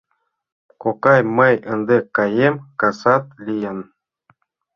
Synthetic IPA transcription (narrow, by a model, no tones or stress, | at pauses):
kokɑjməjənd̪ekːɑjemkɑsɑt̪̚lʲijə̆n